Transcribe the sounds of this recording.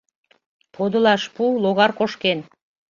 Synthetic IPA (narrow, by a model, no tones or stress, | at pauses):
pʰod̪ulˠɑʃpulˠoɣɑɾqoʃken